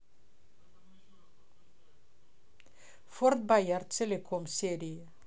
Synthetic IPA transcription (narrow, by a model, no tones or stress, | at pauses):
fɔɾt̪̚bajaɾtelekʰɔmseɾi